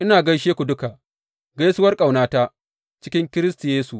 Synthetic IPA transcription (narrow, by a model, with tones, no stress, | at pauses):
ʔɪ˦naː˨ɡɐ˦jʃeː˦kʷu˨dʊ˦ka˨ʔ | ɡɐ˦jsʊ˦wɐ˦rkʼa˨wnaː˦taː˦ | t͡ʃɪ˦kʲɪ˦ŋkʲɪ˦ɾɪ˦sti˨jeː˦su˨